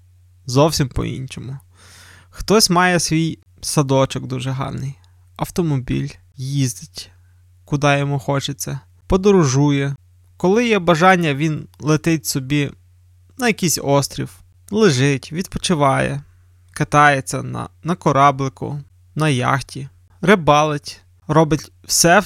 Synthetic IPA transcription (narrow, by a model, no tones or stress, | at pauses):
zɔwsʲimpɔ̰ḭnʲt͡ʃɔmʊ | xt̪ɔsʲmɑjɛsʋʲij | sɐd̪ɔt͡ʃɔɡd̪uʒɛɦɑ̰rnɪj | ɐwt̪ɔmɔbʲḭlʲ | jizd̪ɪtʲ | kʊd̪ɑjɔmuxɔt͡ʃet͡sʲːɐ | pɔd̪ɔɾʊʒujɛ | kɔlˠɪjɛbɐʒɑnʲːɐʋʲinlˠet̪ɪt̚ʲsɔbʲi | nɐjɐkisʲɔst̪ɾʲḭw | lˠɪʒɪtʲʋʲid̪̚pɔt͡ʃɪʋɑjɛ̰ | kɪt̪ɑjet͡sʲːɐnɐ̰nɐkɔɾɑblˠɪkʊ̰ | nɐjɑ̰xtʲi | ɾɪbɑlˠɪtʲ | ɾɔbɪtʲ | wsɛ